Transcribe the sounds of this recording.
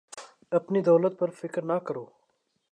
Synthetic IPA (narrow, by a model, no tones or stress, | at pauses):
ɐpnid̪ɐwlət̪̚pɐɾfɪkɾnakɐɾoː